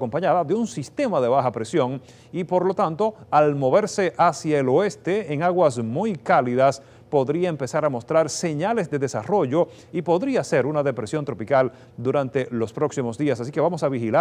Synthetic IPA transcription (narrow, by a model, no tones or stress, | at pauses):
ko̞mpaɲaðaðe̞unsist̪e̞maðe̞β̞axapɾe̞sjo̞ŋ | ipo̞ɾlo̞t̪ant̪o̞almo̞βe̞ɾse̞ʔasjaelo̞e̞st̪e̞ːŋaɣwasmujkaliðas | po̞ðɾiaempe̞saɾamo̞st̪ɾaɾse̞ɲale̞zd̪e̞ðesaro̞ʝo̞ | ipo̞ðɾiase̞ɾunaðe̞pɾe̞sjo̞nt̪ɾo̞pikal | d̪uɾant̪e̞lo̞spɾo̞ksimo̞zðiasas̬ike̞βamo̞saβixila